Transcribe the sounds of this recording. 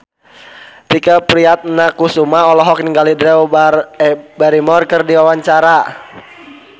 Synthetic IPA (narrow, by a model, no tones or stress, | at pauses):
t̪ikəpɾiat̪̚nakusumaɔlɔɦɔk̚niŋɡalidɾɛw | baɾimɔrkərdiwawaɲt͡ʃaɾa